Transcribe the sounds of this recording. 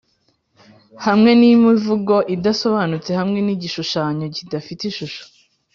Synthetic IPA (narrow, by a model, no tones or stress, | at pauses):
hamŋe̞nimivuɡo̞ʔidaso̞βanut͡se̞hamŋe̞niːɟiʃuʃaːɲo̞ɟidafitiʃuʃo̥